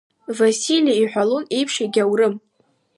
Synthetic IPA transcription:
vasiliaiħʷᶣalone̞jpʰʂeɡʲawrɨm

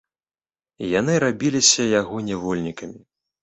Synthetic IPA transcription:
janɨɾabʲilʲisʲɐjaɣɔnʲɛvɔlʲnʲikɐmʲi

